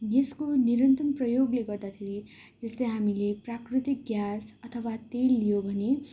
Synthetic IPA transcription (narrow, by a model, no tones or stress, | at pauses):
deskoniɾʌnt̪ʌmprʌjoɡleɡʌrd̪at̪ʰeɾi | d͡zʌslejɦamileprakrit̪ik̚ɡjasʌt̪ʰʌwat̪elːijobʱʌne